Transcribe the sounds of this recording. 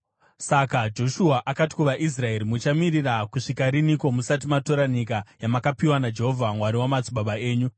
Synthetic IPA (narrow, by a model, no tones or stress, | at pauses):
sakad͡ʒo̞ʃuaʔakati̥kuʋaʔis̬rae̞ɾimut͡ʃamirirakuʂikaɾiniko̞musat̬imato̞ɾaɲikajamakapiwanad͡ʒe̞ɦovʱamwaɾiwamat͡siɓaɓae̞ːɲu